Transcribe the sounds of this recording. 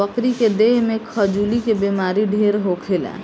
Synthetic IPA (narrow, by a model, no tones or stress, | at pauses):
əkɾiked̪eɦmekʰəd͡ʒulikebemaɾiɖʱeɾɦokʰelɛ̰